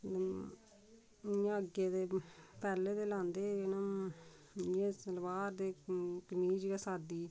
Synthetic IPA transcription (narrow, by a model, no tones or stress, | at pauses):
jãːəɡeːd̪eːpɛːlːeːd̪eːlãːnd̪eːnã | jẽːsəlʋaːɾd̪eːkəmiːd͡ʒeɡaːsaːd̪iː